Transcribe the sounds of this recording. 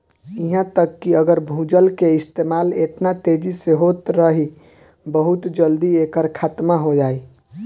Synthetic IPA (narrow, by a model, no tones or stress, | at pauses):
iɦãt̪əkːiəɡəɾbʱũd͡ʒəlkeɪst̪emalet̪nat̪ed͡ʒiseɦot̪ɾəɦi | bəɦut̪d͡ʒəld̪iekəɾkʰaːt̪maɦod͡ʒaːi